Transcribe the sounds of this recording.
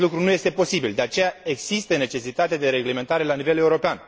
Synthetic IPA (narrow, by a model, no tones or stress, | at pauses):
lukɾunuje̞st̪e̞po̞sibild̪e̞at͡ʃe̞jae̞ɡz̥ist̪əne̞t͡ʃe̞sit̪at̪ead̪e̞ɾe̞ɡle̞me̞nt̪aɾe̞lanive̞le̞uɾo̞pean